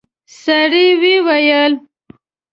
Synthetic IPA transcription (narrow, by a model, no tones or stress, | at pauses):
saɽiwiwajəl